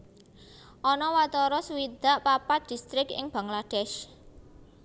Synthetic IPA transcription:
ʔɔnɔwat̪ɔɾɔsuwid̪̥a̤ʔpapat̪̚d̪̥i̤st̪ɾɪkɪ̰ŋb̥a̤ŋlad̪̥ɛʃ

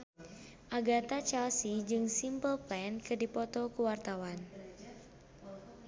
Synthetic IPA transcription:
ʔaɡat̪at͡ʃɛlsid͡ʒɨŋsimpəlpɛnkɨdipɔt̪ɔkuwart̪awan

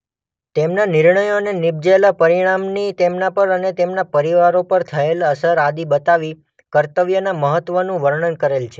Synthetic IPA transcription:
t̪emnanɪɾɳəjonenɪbd͡ʒalapəɾiɽ̃amnit̪emnapəɾənet̪emnapəɾiʋaɾopəɾt̪ʰəeləsəɾad̪ibət̪aʋi | kəɾt̪əʋjənaməɦət̪ʋənũʋəɾɳənkəɾelt͡ʃʰe

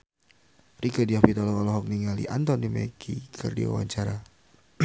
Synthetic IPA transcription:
rikədiɔpit̪ɔlɔkɔlɔɦɔk̚niŋalḭʔant̪ɔnimɛ̰kʰḭkʰərdḭwa̰wa̰ɲt͡ʃaɾa

